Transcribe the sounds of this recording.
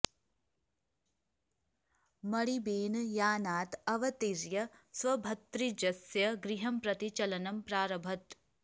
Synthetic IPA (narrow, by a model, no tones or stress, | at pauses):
mɐɽibeːnjaːnaːt̪ɐʋɐt̪iɾjɐsʋɐbʱɐt̪ɾid͡ʒɐsjɐɡɾiɦɐmpɾɐt̪it͡ʃɐlɐnɐmpɾaːɾɐbʱɐt̪